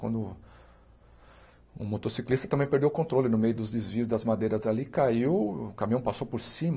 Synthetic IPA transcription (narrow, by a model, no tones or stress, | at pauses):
kwɐ̰̃nd̪ʊ | ʊ̰mot̪osiklist̪ɐt̪ɐ̃bẽj̃peɾd̪ewkõnt̪ɾolɪnʊmejʊd̪ʊzd̪ezviʊzd̪ɐzmad̪ejɾɐzalikaiwʊkamĩɐ̃w̃pasowpoɾsĩm